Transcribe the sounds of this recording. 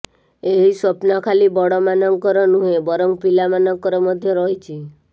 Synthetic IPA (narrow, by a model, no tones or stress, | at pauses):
eɦisɔpnɔkʰalibɔɽɔmanɔŋkɔɾɔnuɦebɔɾɔŋpilamanɔŋkɔɾɔmɔd̪ʱjɔɾɔɦit͡ʃʰi